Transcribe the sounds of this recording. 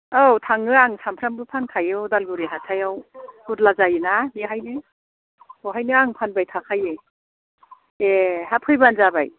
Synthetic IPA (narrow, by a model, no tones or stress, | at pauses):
awtʰaŋɯaŋsampʰɾambɯpʰankʰajewdalɡuɾiɦatʰajawhuɾlazajɯnabiɦajnɯ | oɦajnɯaŋpʰanbajtʰakʰaje | eɦapʰɯjbanzaba̰j